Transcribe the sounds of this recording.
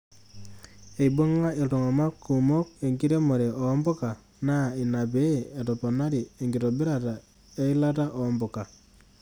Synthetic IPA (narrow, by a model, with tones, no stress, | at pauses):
e˨i˨bo˦ŋa˦e˨to˨ŋa˨ma˦kːu˨mo˦k̚e˨ŋɡi˦ɾe˦mo˨ɾe˨ɔ˨˦mbo˦ka˨ | na˦˨i˨na˨be˨˦e˨to˨po˨na˦ɾi˨e˨ŋɡi˨to˨bi˦ɾa˦˨ta˨ | e˦i˦la˦ta˦ʔo˨˦mbo˨ka˨